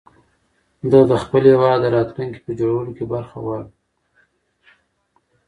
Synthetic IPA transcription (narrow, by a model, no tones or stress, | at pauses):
d̪əd̪əxpəlwɑd̪əɾɑt̪luŋki̥pəd͡ʒoɽawəlokebaɾxa̰wal